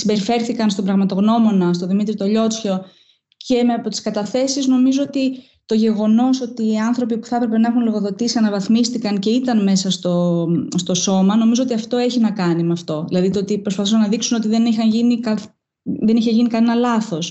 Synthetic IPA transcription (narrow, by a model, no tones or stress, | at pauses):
simbe̞ɾife̞ɾθikɐnst̪o̞bɾɐɣmɐt̪o̞ɣno̞mo̞nɐst̪o̞ðimit̪ɾit̪o̞ʎo̞t͡sço̞ | ce̞meɐpo̞t̪i̥skɐt̪ɐθe̞sizno̞mizo̞ot̪i | t̪o̞ʝe̞ɣo̞no̞so̞t̪iːɐnθɾo̞pipu̥θɐpɾe̞pe̞nɐe̞xunlo̞ɣo̞ðo̞t̪isiɐnɐvɐθmist̪ikɐnce̞it̪ɐnme̞sɐst̪o̞st̪o̞so̞mɐno̞mizo̞o̞t̪iɐft̪o̞e̞çinɐkɐnimeɐft̪o̞ðilɐðit̪ot̪ipɾo̞spɐθusɐnːɐðiksuno̞t̪iðe̞nixɐnʝinikɐ | ðe̞niçe̞ʝinikɐne̞nɐlɐθo̞s